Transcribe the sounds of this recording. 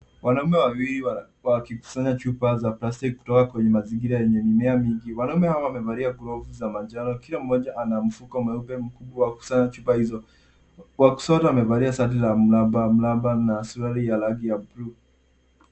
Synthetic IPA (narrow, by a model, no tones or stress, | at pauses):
wanaumɛwawiɾiwa | wakiku̥saɲat͡ʃupazaplastikːu̥tɔkakwɛɲɛmaziŋɡiɾajɛɲɛmimɛamiŋɡiwanaumɛhawawmɛvaɾiaɡuɾɔvuzamad͡ʒaɾɔkilam̩ːɔʄaʔanam̩fukɔmɛubɛm̩kuɓwawaku̥saɲat͡ʃupahizɔ | waku̥sɔtawamɛvaɾiasaut̬izam̩labam̩labanasuɾaɾijalaɡijabɾu